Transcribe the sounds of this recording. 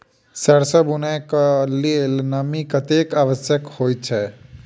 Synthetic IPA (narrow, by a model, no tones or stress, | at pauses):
səɽsəbunajkalielnəmikət̪ekaːʋəsjəkhoːj̚t͡ʃʰɛ